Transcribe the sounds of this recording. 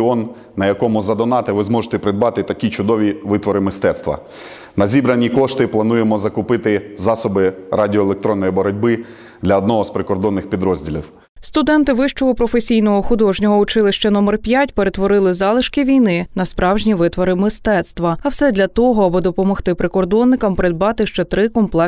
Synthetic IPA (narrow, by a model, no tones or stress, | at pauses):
ɔnː | ɐjɐkɔmʊzɐd̪ɔnɑt̪ɪʋɪzmɔʒet̪ɛpɾɪd̪bɑt̪ɪt̪ɐkʲit͡ʃʊd̪ɔʋʲiʋɪt̪ʋɔɾɪmɪst̪ɛt̪st̪ʋɐ̰ | nɐzʲibɾɐnʲikɔʃt̪ɪplˠɐnujemɔzɐkʊpɪt̪ɪzɑsɔbɪradʲiɔelˠek̚t̪ɾɔnːɔjibɔɾɔdʲbɪ | d̪lʲɐɔd̪nɔɦɔspɾɪkɔrd̪ɔnːɪxpʲid̪ɾɔzʲdʲilʲḭw | st̪ʊd̪ɛnt̪ɪʋɪʃt͡ʃɔɦɔpɾɔfesʲijnɔɦɔxʊd̪ɔʒnʲɔɦɔʊt͡ʃɪlˠɪʃt͡ʃɐnɔmɛrpʲjatʲpeɾet̪ʋɔɾɪlˠɪzɑlˠɪʃkɪʋʲijnɪnɐspɾɑwʒnʲiʋɪt̪ʋɔɾɪmɪst̪ɛt̪st̪ʋɐɐwsɛd̪ʲlʲɐt̪ɔɦɔɐbɨd̪ɔpɔmɔxt̪ɪpɾɪkɔrd̪ɔnːɪkɐmpɾɪd̪̚bɑt̪ɪʃt͡ʃɛt̪ɾɪkɔmplˠɛ